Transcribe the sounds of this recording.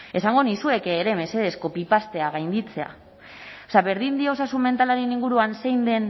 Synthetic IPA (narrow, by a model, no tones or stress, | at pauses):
e̞saŋɡo̞nisue̞keːɾe̞me̞se̞ðe̞sko̞pipast̪e̞aɣ̞ajnd̪it͡se̞a̰ | saβe̞ɾðind̪io̞sasumme̞nt̪alaɾeniŋɡuɾuanse̞jnd̪e̞n